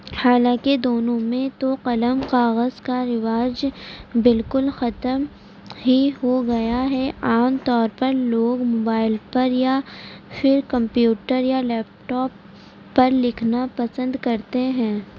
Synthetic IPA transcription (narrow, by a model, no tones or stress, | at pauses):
haːlãːked̪oːnõmẽt̪oqɐləmqaːɣəzkaɾɪʋaːd͡ʒbɪlkʊlxɐt̪əm | ɦiɦoɡɐjaɦɛaːmt̪ɔːɾpɐɾloːɡmoːbaːɪlpɐɾjafɪɾkɐ̃mpjuːʈəɾjalɛːp̚ʈɔːpː | ɐɾlɪkʰnapɐsə̃nd̪kɐɾt̪eɦɛ̃ː